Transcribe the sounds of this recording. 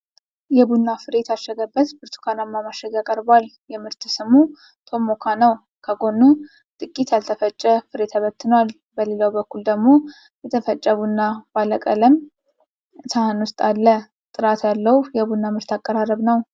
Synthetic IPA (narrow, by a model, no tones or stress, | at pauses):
jɛbunːafɨɾe̞t̪aʃːɛɡəbːət̪bɨɾt̪ʰu̥kʰanamːamaʃɛɡakʼəɾbwal | jɛmɨɾt̪ɨsɨmu | t̪ʰo̞mokʰanəw | kʰəɡo̞nːu | t̪ʼɨkʼːit̪jalt̪ʰəfət͡ʃʼːəfɨɾe̞t̪ʰaβət̪ʰːɨnwal | bəlelawbəkːuld̪əɡmo̞ | jɛt̪ʰəfət͡ʃʼːəβunːab̥aləkʼələm | ɨt̪ʰahɨnwʊst̪ʼalːə | t̪ʼɨɾat̪ʰjalːəhujɛbunːamɨɾt̪ʰakʼːəɾarəβnəw